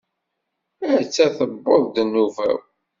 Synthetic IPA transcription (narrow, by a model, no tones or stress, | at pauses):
əɾt͡sːæθəbːoðˤd̪nːuvæ̰w